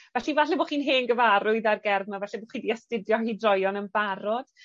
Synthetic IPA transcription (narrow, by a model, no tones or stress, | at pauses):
vɛɬivaɬɛboχiːnɦeːnɡəvaɾʊɨðarɡɛrðmavɛɬɛboχiːndiɛstɪdjɔhidrɔjɔnənbaɾɔd̥